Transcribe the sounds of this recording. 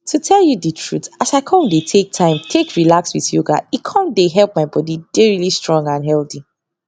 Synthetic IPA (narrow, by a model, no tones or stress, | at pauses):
tʰutʰɛlˠjudətʰɹ̥uθasaɪkʰɔ̃ndetʰek̚tʰãɪ̃mtʰekɹilakswiðjuɡa̰ikʰɔ̃ndeɦɛlˠp̚maɪbɔdid̥eɹilistɹɔ̃ŋɡãnɦɛlθi